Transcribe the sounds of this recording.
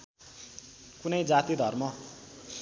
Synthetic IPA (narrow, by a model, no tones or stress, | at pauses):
kunʌjd͡zat̪id̪ʱʌrmʌ